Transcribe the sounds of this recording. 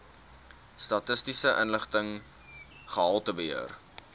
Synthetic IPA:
stɐtəstisəʔənləχtəŋ | χəɦɐlˠtəbəɦḭər

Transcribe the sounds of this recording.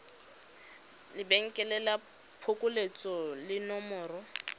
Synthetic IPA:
lɪbɛŋ̩kʼɛlɛla | pʰʊkʼʊlet͡sʼɔlɪnɔmɔːrɔ

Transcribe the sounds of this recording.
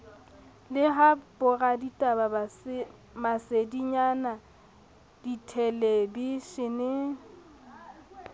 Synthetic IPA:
lɪɦapʼʊraditʼababas | masediɲana | d̥itʰɛlebiʃɪnɪ

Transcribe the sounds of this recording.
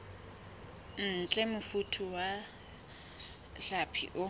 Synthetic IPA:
n̩ːt͡ɬʼɛmʊfutʰʊwa | ɬapʰḭʔʊ

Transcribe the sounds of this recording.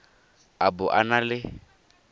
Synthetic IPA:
abʊʔanalɪ

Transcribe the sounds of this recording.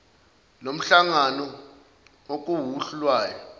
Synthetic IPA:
nom̩ɬaŋanɔ | ok̬ʼuɦuɬulwaːjɔ

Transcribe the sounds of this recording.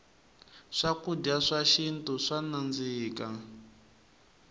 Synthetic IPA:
ʂakudaʂaʃintuʂanand͡ziːka

